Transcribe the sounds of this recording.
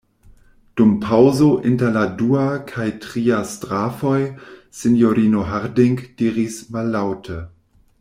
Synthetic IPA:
d̥umpʰawzoʔintɐladuakʰajtʁiastʁafojsinjoɾinoɦaɾdiŋkd̥iːɾismalːawtʰə

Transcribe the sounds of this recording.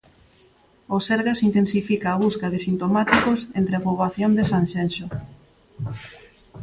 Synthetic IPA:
oseɾɣasint̪ensifikaːβuskaðɪsint̪omat̪ikosent̪ɾeapuβaθjond̪esanʃenʃo

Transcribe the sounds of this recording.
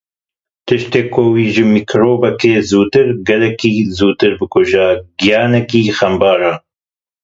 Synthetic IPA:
t̪ɨʃt̪eːkowiːʒɨmikʰɾoːbɐkeːzuːt̪ɨɾɡɛlɛkiːzuːt̪ɨɾbɨkʊʒaːɡijɑːnɛkiːxɐmbɑːɾaː

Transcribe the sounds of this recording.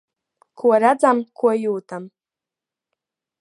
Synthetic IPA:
kuɔɾad̪zamkʰuɔjuːt̪am

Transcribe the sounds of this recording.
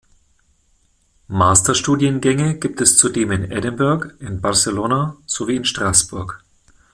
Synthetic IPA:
maːstɐʃtuːdjənɡɛŋəɡ̥iːptɛst͡sudeːmɪnɛ̰dənbɛɐkʔɪnbaʁsəloːnaz̥oviːɪnʃtʁ̥aːsb̥ʊɐk

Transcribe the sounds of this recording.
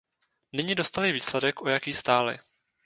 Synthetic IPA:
nɪɲɪdo̞st̪alɪviːslɛdɛkʔo̞jakiːst̪aːlɪ̰

